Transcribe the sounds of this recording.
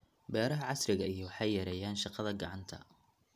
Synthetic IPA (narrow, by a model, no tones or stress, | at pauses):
bɛːɾɐɦɐʕɑsɾɪɣɐijɔwɑħɑjːɐɾɛjaːnʃɑqɑðɐɡɑʕɑnt̪ʰɐ̰